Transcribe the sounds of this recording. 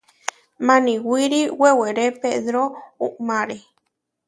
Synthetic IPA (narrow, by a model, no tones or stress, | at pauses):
mãniwiɾiweweɾepeðɾouʔmaɾe